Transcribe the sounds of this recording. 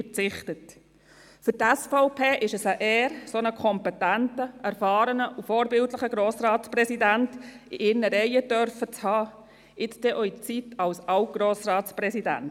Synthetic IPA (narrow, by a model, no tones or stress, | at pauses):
əɾt͡sɪχtət | fʏɾtæsfɔʊpʰeːʔɪʃəsəʔɛːɾsonəkʰɔmpɛtæntəʔæɾfɑːɾənəʔufoːɾbɪltləχəɡɾoːsɾɑːtsprɛsidænt | ḭʔɪɾnəɾɛɪətœɾfət͡shɑː | ɪt͡sd̥̪ɛʔɔit͡sitɑwsɑwt̚ɡ̥ɾoːsɾɑːtspɾɛsidæ̰n